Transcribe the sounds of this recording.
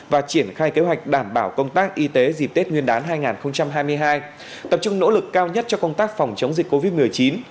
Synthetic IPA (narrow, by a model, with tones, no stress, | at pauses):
vaː˨˩t͡ɕi˧˩ənxaː˧jke˨˦ɦwa˨˩jk̟̚ɗaː˧˩mɓaː˧˩wkə˧wŋ͡mt̪aː˦˥k̚ʔi˧t̪e˨˦zi˨˩p̚t̪e˦˥t̚ŋwi˧ənɗaː˨˦nɦaː˧jŋaː˨˩nxə˧wŋ͡mt͡ɕa˧mɦaː˧jmɨ˧əjɦaː˧j | t̪ə˨˩p̚t͡ɕʊ˧ŋ͡mno̰˧˥lɨ˨˩kːaː˧wɲə˦˥t̚t͡ɕɔ˧kə˧wŋ͡mt̪aː˦˥k̚fa˨˩wŋ͡mt͡ɕə˨˦ŋ͡mzï˨˩ko˧vi˦˥t̚mɨ˨˩əjt͡ɕi˨˦n